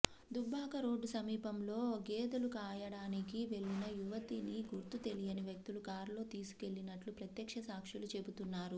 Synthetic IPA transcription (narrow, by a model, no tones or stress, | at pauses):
d̪ubːaːkɐɾo̞ːɖːusɐmiːpɐmlo̞ːɡeːd̪ɐlukaːjɐɽaːnikiʋe̞ɭːinɐjuʋɐt̪iniɡuɾt̪ut̪e̞lijɐniʋjɐk̚t̪ulukaːɾlo̞ːt̪iːsu̥ke̞ɭːinɐʈlupɾɐt̪jɐkʂɐsaːkʂulut͡ʃe̞but̪unːaːɾu